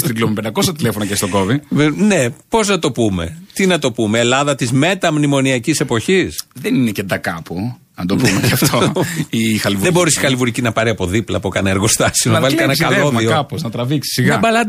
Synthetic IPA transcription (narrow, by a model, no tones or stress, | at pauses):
stt̪iɡlomipend̪ɐko̞sɐt̪ilefonɐcest̪oko̞vivnepo̞znɐt̪o̞pume̞̰t̪inɐt̪o̞pume̞ːlɐðɐt̪izme̞t̪ɐmnimo̞niɐcise̞po̞çisðeninecend̪ɐkɐpu | ɐnd̪opumeɐft̪oixɐlivðebo̞ɾisi̥xɐlivuɾicinɐpɐɾiɐpo̞ðiplɐ̰pukɐneeɾɣo̞st̪ɐsionɐɐvɐlikɐnɐkɐloðioɐpoznɐt̪ɾɐviksi̥siɣɐɐbɐlɐ